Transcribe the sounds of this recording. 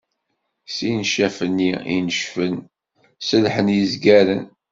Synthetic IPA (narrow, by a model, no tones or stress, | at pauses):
sinʃæfənːiḭnəʃfən | səlħənjizɡæɾən